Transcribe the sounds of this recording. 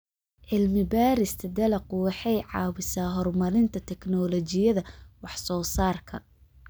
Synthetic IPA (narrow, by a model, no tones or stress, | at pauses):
ʕɪlmɪbaːɾɪst̪ʰɐd̪ɛlɐqʊwɑħɛjʕɑ̰ːwɪsaːɦɔrmɐɾɪnt̪ʰɐt̪ʰɛknɔːlɔt͡ʃɪjɐðɐwɑħsɔːsaːrkʰɐ̰